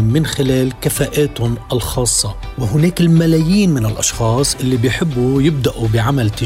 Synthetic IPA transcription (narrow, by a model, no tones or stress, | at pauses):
mɪnxɪleːlkafaːʔeːt̪ʊnʔɪlxɑːsˤːɑwɪɦʊneːkɪlmalaːjiːnmɪnɪlʔɑʃxɑːsˤʔɪlːibɪjħɪbːujɪb̚d̪aʔubɪʕamalt̪ɪ